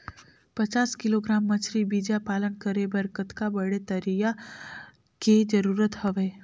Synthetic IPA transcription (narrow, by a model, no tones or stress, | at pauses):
pɐt͡ʃaːskɪloɡɾaːmːət͡ʃʰɾibid͡ʒapaːlənkəɾebɐɾkət̪kabəɽet̪ɐɾija | ked͡ʒɐɾuːɾət̪hɐʋeː